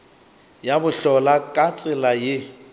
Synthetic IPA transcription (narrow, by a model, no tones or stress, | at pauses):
jabʊɬɔlakʼat͡sʼɪlajɪ